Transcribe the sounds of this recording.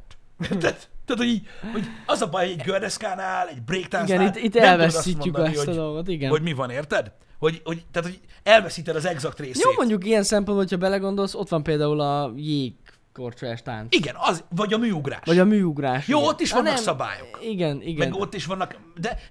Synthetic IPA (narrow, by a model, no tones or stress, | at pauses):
eːrt̪ɛd̪t̪ːaːt̪hoiːɟho̞ɟɒzɒbɒjhoɟɛɟɡørd̪ɛskaːnaːlɛɟbreːkt̪anɡɛnit̪ːit̪ːɛlvɛssiːmoːyk̪dt̪ɒd̪o̞lɡo̞t̪iɡɛnoɟmivɒneːrt̪ɛd̪ | ho̞ɟho̞ɟt̪aːt̪hoɛlvɛsiːt̪ɛd̪ɒzɛɡzɒkt̪reːsjoːmo̞ɲɟuk̬ijɛnsɛmpo̞nboɦo̥cʰɒbɛlɛɡo̞nd̪o̞lso̞t̪ʋɒmpeːld̪aːulɒjeːkː | o̞rt͡ʃɛʃt̪a̰nt͡siɡɛnɒzvɒɟɒmyːuɡɾa̰ːʃvɒɟɒmyːuɡraːʃjoːot̪ːiʃɒnːɛkmsɒba̰ːjo̞̰kiɡɛniɡɛmɛnɡo̞t̪ːiʃʋɒnːɒk | d̪ɛ